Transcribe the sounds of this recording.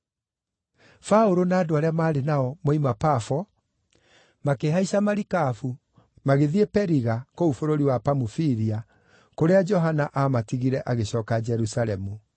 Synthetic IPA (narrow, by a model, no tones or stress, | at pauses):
faoɾonaːdoaɾeamaːɾenaɔmoimapafɔ | makeɦaisamaɾikafu | maɣeðiepɛɾiɣakoufoɾoɾiwapamufiɾia | koɾead͡ʒɔɦanaʔamatiɣiɾɛʔaɣeɕɔːkad͡ʒɛɾusaɾɛmu